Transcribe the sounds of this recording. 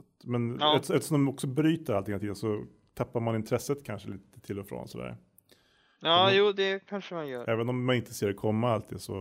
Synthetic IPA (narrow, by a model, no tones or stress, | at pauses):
t̪mɛnɛt̪ːɛft̪əʂɔmd̪ɔmɔksɔbɾyːt̪əɾalɪŋnt̪ʰiːd̪ənsɔ | t̪ʰapːaɾmanɪnt̪ʰɾɛsːət̪kʰanʂəliːt̪ə̥t̪ʰɪlːɔfɾo̰ːnsɔd̪æ̰ːɾ | ɑːjuːd̪ɛkʰanʂəmanjœːɾɛːvənɔmːanɪnt̪əseːɾɔkʰɔmːaalt̪̚d̪iːsɔ̰